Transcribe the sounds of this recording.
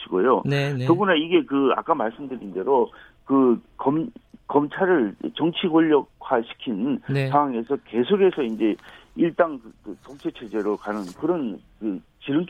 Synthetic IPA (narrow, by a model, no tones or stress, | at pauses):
ɕʰiɡo̰jonoɡunaiɡe̞kɯa̰k͈amaɭs͈ɯmdɯɾinde̞ɾo | kɯkʌmkʌmt͡ɕʰaɾɯɭt͡ɕʌŋt͡ɕʰiɡoʎːʌkʰaɕʰi̥kʰinsʰaŋwaŋe̞sʰʌke̞sʰoɡe̞sʰʌind͡ʑe̞iɭt͈aŋkɯttʌŋt͡ɕʰet͡ɕʰed͡ʑe̞ɾokanɯnkɯɾʌnkɯt͡ɕiɾɯn